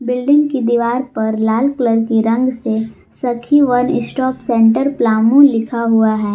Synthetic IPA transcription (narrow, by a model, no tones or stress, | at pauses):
bɪlɖɪ̃ŋɡkid̪iʋaːɾpɐɾlaːlkləɾkiɾɐ̃ŋɡse | sɐkʰiʋɐnɪsʈɔːpsɛ̃ːɳʈəɾplaːmũlɪkʰaɦuaɦɛː